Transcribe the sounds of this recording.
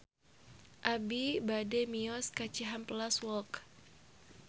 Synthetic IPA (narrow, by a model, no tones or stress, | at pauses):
ʔabibadɛmiɔskat͡ʃiɦamplaswɔlk